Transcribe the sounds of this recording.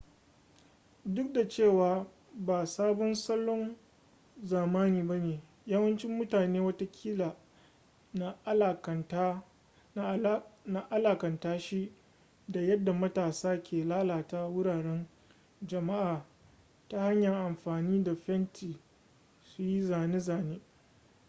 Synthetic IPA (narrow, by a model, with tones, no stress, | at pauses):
dʊ˦k̚da˨t͡ʃeː˦˨waː˨ | baː˨saː˦bɔ˦nsɐ˦lːɔ˦n | zaː˨maː˦niː˨ba˦neː˨ | jaː˦wɐ˦nt͡ʃɪ˦mːʊ˦taː˨neː˦wɐ˦ta˦kʲʰiː˦la˨ | na˦˨˦k | na˨ʔa˦laː˨kɐ˨ntaː˦ʃi˦ | da˨jɐ˦dːa˨mɐ˦taː˨saː˦kʲʰeː˨laː˦laː˨ta˦wʊ˦ɽaː˨ɽɛ˦n | d͡ʒɐ˨ma˦ʔaː˨ | ta˦ha˦ɲjɐ˨ŋʔa˨mɸaː˨niː˦da˨ɸɛ˦ntʰiː˨ | su˨ji˦zaː˨ne˦zaː˨neː˦